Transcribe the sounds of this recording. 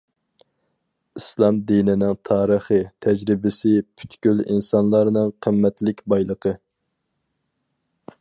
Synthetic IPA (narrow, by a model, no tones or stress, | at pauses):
islˠɑmd̪inɪnɪŋt̪ʰɑːɾəχɨt̪ʰɛd͡ʒɾɪbɪsɪpʰy̥t̪kʲylḭnsɑnlˠɑɾnɨŋqʰəmːɛt̪lɪkʲbɑjlˠəqʰə